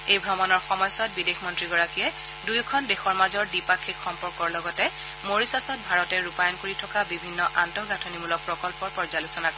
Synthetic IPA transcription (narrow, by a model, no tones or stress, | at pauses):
ejbʱɔmanɔɹxɔmɔjsat̚bidexmɔntɹiɡɔɹakijɛ | dujkʰɔndexɔɹmazɔɹdipakʰːikxɔmpɔɹkɔɹlɔɡɔtɛ | moɹisasɔt̚bʱaɹɔtɛɹupajɔnkoɹitʰɔkabibʱinːɔʔantɔɡatʰonimulɔk̚pɹɔkɔlpɔɹpɔɹzalusɔnak